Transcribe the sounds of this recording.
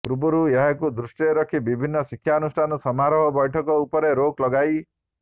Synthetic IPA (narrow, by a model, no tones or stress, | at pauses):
pɾubuɾueɦakud̪ɾusʈieɾɔkʰibibʱinːɔsikʰjaɔnusʈʰanɔsɔmaɾɔɦɔbɔjʈʰɔkɔupɔɾeɾoklɔɡaj